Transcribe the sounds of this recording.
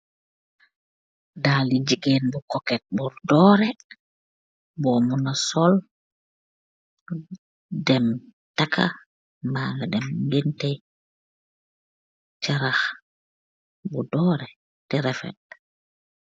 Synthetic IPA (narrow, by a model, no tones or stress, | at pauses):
dalid͡ʒiɡenbukɔkɛt̚buɾdɔːɾɛ | bɔmunasɔl | dɛm | takʰa̰ | mbaːŋɡadɛmŋɡintɛj | t͡ʃaɾax | budɔɾɛ | tɛɾɛfɛ̰t̚